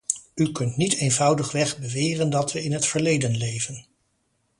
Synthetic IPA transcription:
ykɵntnitejnvʌwdəχʋɛχbəʋɪːrəndɑtʋəɪnɦətfəɹlejdənlejvən

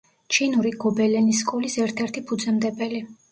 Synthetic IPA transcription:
t͡ʃʰinuɾiɡɔbɛlɛniskʼɔlisɛɾt̪ʰɛɾt̪ʰipʰud̪zʼɛmd̪ɛbɛli

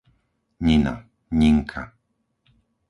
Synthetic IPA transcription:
ɲina̰ | ɲiŋkʰa̰

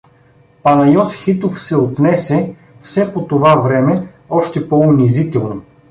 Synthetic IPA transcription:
pɐnɐjɔt̪xit̪ofsɛot̪nɛsɛ | fsɛpot̪ovavɾɛmɛ | ɔʃt̪ɛpɔʊnizit̪ɛlˠno

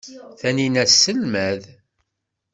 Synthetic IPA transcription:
θæninæsːəlmæð

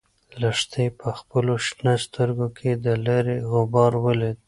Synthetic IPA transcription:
laʂt̪epʰəxpəloʃnast̪əɾɡokʰed̪əlaɾeɣʊbɑɾwəled̪̚

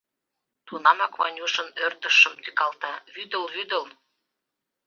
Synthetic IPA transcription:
t̪unɑmɑkβɑ̰nʲuʃə̆nørt̪ə̆ʃə̆mt̪ykɑlt̪ɑβyd̪ə̆lβyd̪ə̆l

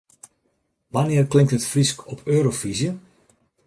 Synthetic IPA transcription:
ʋanɪərklɪŋkthətfriskɔpʰøːɾofizjə

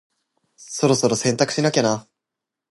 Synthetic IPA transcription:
so̞ɾo̞so̞ɾo̞sẽ̞nt̪akɯ̟̥ɕinakʲana

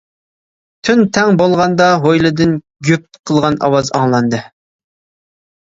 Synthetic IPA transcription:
t̪ʰynt̪ʰɛŋbolˠʁɑnd̪ɑɦojlˠɨd̪ɨn | ɡʲøp̚qʰəlˠʁɑnɑ̰wɑzɑ̰ŋlˠɑnd̪ɨ

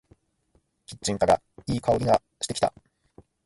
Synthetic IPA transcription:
kʲi̥t͡ɕt͡ɕːĩŋkaɾa̰ | iːkao̞ɾʲiɡa | ɕi̥t̪e̞kʲi̥t̪a̰

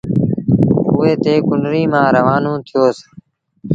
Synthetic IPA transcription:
ʊːeːt̪eːkʊɳɖɾiːmãːɾəʋaːnõːt̪ʰɪjoːs

